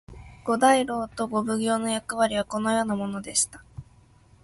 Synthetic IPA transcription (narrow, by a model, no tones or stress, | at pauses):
ɡ̥o̞d̪aiɾo̞ːt̪o̞ɡo̞bɯ̟ɡʲo̞ːno̞jakɯ̟βaɾʲiβ̞ako̞no̞jo̞ːnamo̞no̞d̪e̞ɕi̥t̪ḁ